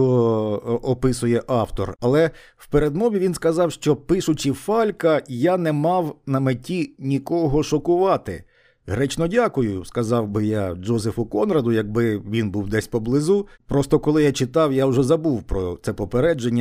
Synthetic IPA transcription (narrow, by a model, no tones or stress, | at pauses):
ɔ | ɔpɪsʊjɛʔɑwt̪ɔ̰rɐlˠɛ | wpeɾed̪mɔʋʲiʋʲinskɐzɑwʃt͡ʃɔpɪʃʊt͡ʃifɑlʲkɐjanɛmɑwnɐmetʲinʲikɔɦɔʃɔkʊʋɑt̪ɪ̰ | ɦɾɛt͡ʃnɔdʲakʊjʊskɐzɑwbɪjad͡ʒɔzefʊkɔnrɐd̪ʊjɐɡ̚bɪʋʲinbuwd̪ɛsʲpɔblˠɪzupɾɔst̪ɔkɔlˠɪjat͡ʃɪt̪ɑwjawʒɛzɐbuwpɾɔt̪sɛpɔpeɾɛd͡ʒenʲːɐ